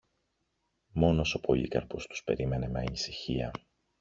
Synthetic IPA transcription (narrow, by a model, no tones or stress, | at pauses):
mo̞no̞so̞po̞lḭkɐ̰ɾpost̪u̥spe̞̰ɾime̞ne̞meɐnisiçḭɐ